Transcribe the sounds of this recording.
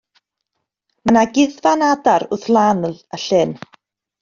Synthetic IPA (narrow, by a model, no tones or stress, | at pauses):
manaɡɪðvanadaɾʊθlˠanlaɬɪn